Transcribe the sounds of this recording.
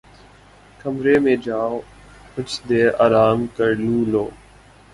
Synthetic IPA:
kəmɾeːmẽːd͡ʒaːo | ʊt͡ʃʰd̪eːʔaːɾaːmkəɾlũːloː

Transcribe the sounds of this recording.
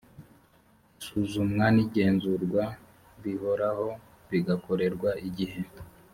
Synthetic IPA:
suzumŋaniɟe̞ːnzuɾɡwa | βiho̞ɾaho̞ | βiɡako̞ɾe̞ɾɡwaʔiɟihe̞

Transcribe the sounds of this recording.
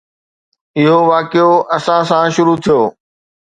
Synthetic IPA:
ɪɦoʋaːkejoʔɐsãsãʃʊɾut̪ʰijoː

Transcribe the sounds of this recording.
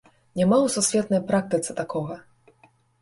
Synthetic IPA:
nʲamawsusʲvʲɛt̪nɐjpɾak̚t̪ɨt̪sɨ̥t̪akɔɣɐ

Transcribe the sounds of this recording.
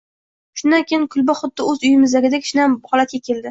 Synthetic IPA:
ʃʊnd̪ankʲʰejɪnkʰʊlˠbaχʊd̪̚ːɪɵzʊjɪmɪzd̪aɡʲɪd̪akʲʰɪ̥ʃɪnamχɒlat̪̚ɡʲakʲʰe̞ld̪ɪ

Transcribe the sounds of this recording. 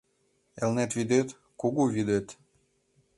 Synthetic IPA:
elnet̪vid̪et̪ | kuɣuvid̪et̪

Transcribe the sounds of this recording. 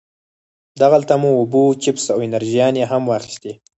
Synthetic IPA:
d̪aɣalt̪amuːbut͡ʃɪpsawɪnaɾʒijɑneɦamwɑxi̥st̪i

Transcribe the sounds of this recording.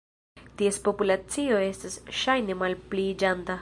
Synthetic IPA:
tie̞spo̞pulat͡sio̞e̞stasʃajne̞malplid͡ʒanta

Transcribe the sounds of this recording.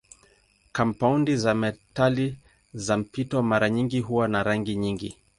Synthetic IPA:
kampaundizamɛtali | zam̩pitwamaɾaɲiŋɡiɦuwanaɾaŋɡiɲiŋɡi

